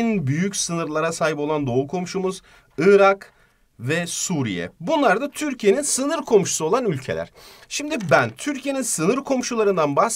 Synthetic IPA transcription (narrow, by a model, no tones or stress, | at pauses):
nbyjycsɯnɯɾlˠaɾasaːɦipo̞lˠand̪o̞ukʰo̞mʃumuz | ɯːɾak | vɛsuːɾḭjɛ̰bunlˠaɾd̪at̪ʰyɾcʰije̞ninsɯnɯɾkʰo̞mʃu̥suo̞lˠanylʲcʰe̞̰lʲæ̰ɾ̥ʃimd̪ibænt̪ʰyɾcʰije̞ninsɯnɯɾkʰo̞mʃulˠaɾɯnd̪anbahs